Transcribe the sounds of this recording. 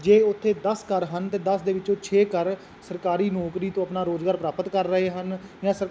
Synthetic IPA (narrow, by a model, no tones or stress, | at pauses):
d͡ʒeːʊt̪ʰːeːd̪əskəɾɦənt̪eːd̪əsd̪eːʋɪt͡ʃõːt͡ʃʰeːkəɾ | səɾkaːɾiːnɔːkɾiːt̪õːəpnaːɾoːzɡaːɾpɾaːpət̪kəɾːəɦeːɦənjãːsəɾ